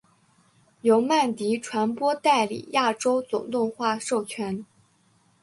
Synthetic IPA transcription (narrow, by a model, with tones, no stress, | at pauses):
jo˧˥ʊma˥˩nt̪i˧˥ʈ͡ʂʰwa˧˥npwɔ˥t̪a˥˩ɪlḭ˨˩ja˥˩ʈ͡ʂo˥ʊt͡sʊ̰˨˩ŋt̪ʊ˥˧ŋxwa˥˧ʂo˥˩ʊt͡ɕʰɥɛ˧˥n